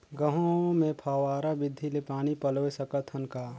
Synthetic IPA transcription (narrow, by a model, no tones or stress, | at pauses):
ɡəɦõmẽpʰaːʋaːɾabɪd̪ʱːilepaːnipɐloːesəkət̪ʰhənkaː